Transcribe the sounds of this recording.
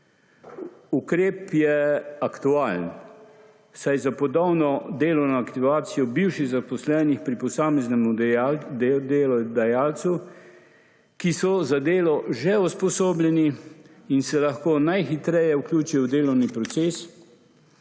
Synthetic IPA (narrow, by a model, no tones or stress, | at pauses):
ukɾeːpjɛakt̪uaːln | sajzapɔd̪ɔwnɔd̪eːlɔwnɔakt̪iʋaːt̪sijɔbiwʃiɣzapɔslɛːnixpɾipɔsaːmɛznɛmu | d̪eːlɔd̪ajaːlsu | kisɔzad̪eːlɔʒɛuspɔsoːblʲɛni | insɛlaxkoːnajxit̪ɾɛjɛuklʲuːt͡ʃijwd̪eːlɔwnipɾɔt̪seːs